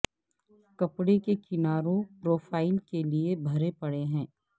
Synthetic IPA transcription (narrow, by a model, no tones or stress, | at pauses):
kɐpɽekekɪnaːɾõpɾoːfʰaːɪlkeliebʱɐɾepɐɽeɦɛ̃ː